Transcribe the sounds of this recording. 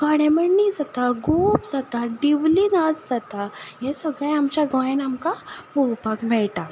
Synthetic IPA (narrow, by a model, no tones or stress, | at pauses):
ɡaɽẽməɳnid͡zat̪aɡofd͡zat̪aɖiʋlinad͡zd͡zat̪ajesəɡɭẽamt͡ɕaɡɔ̃jenamkapuwpakmɛɭʈa